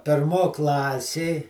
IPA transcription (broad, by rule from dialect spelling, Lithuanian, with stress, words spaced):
pʲeːrˈmoː ˈklˠɑːsʲeː